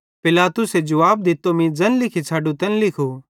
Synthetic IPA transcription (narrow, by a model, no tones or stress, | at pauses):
pɪlaːt̪ʊsed͡ʒɐʋaːb̚d̪ɪt̪ːomĩd͡zɐ̃nlɪkʰisʰaːɖũt̪ɐnlɪkʰo